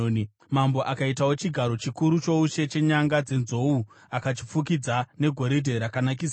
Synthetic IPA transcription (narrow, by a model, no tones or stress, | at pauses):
mambo̞ʔakaitawo̞t͡ʃiɡʱaɾo̞t͡ʃikuɾut͡ʃo̞uʃe̞t͡ʃe̞ɲaŋɡad͡ze̞nzo̞u | akat͡ʃip͡fuk̬id͡zane̞ɡʱo̞ɾidʱe̞ɾakanak̬is